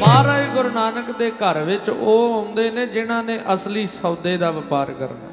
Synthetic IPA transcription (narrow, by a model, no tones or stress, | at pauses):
maːɾaːiɡʊɾnaːnəkd̪eːkəɾʋɪt͡ʃoːɦõːnd̪eːnẽːd͡ʒɪɽ̃ãːnẽːʔəsliːsəːd̪eːd̪aːʋɪpaːɾkə̰ɾna̰ː